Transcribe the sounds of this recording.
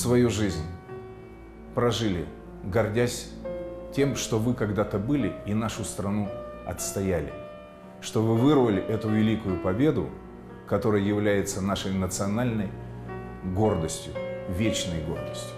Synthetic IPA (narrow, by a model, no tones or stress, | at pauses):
svɐjuʐɨzʲnʲ | pɾɐʐɨlʲɪ | ɡɐrdʲæsʲtʲe̞mʂt̪o̞vɨkɐɡd̪at̪əbɨlʲɪinaʂʊst̪ɾɐnuɐ̰t̪st̪ɐjælʲɪ̰ | ʂt̪o̞vɨvɨrvəlʲɪʔɛt̪ʊvʲɪlʲikʊjʊpɐbʲe̞d̪ʊ̰ | kɐt̪o̞ɾəjjɪvlʲæjɪt̪sənaʂəjnət̪sɨɐnalʲnəj | ɡo̞rd̪əsʲtʲjʊvʲet͡ɕnəjɡo̞̰rd̪əsʲtʲʊ̥